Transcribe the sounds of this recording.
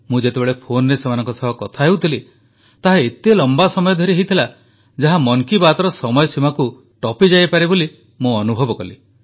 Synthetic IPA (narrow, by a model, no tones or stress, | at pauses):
mũd͡ʒet̪ebeɭepʰonɔɾesemanɔŋkɔsɔɦɔkɔt̪ʰaɦewt̪ʰili | t̪aɦaet̪elɔmbasɔmɔjɔd̪ʱɔɾiɦejt̪ʰila | d͡ʒaɦamɔŋkibat̪ɔɾɔsɔmɔjɔsʰimaku | ʈɔpid͡ʒajpaɾiboli | mũɔnubʱɔbɔkɔli